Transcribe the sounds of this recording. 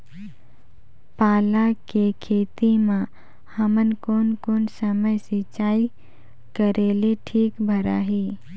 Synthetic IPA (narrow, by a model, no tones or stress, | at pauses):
paːlakekʰeːt̪imã | hɐmənkoːnkoːnsəməjset͡ʃaːi | kəɾeːleʈʰiːkbʱəɾa̰ːɦiː